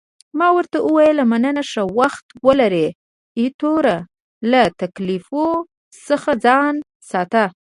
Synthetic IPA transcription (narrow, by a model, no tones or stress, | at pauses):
mɑwəɾt̪aʔəwɑjəlamanənaʂawaxt̪wəlaɾe | it̪oɾa | lat̪aklifo | səxad͡zɑn | sɑt̪a